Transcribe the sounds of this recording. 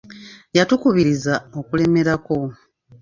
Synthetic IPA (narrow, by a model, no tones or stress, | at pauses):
jatukuβiɾizao̞kule̞me̞ɾako̞